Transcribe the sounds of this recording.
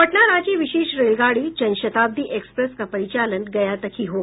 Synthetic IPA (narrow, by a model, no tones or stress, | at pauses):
ʋəʈnaɾat͡ɕiːʋiɕeʃɾelɡaɽiːd͡ʑə̃nɕət̪ab̚d̪ʱiːʔekspɾeskapəɾit͡ɕalənɡɐjat̪əkʰiːɦo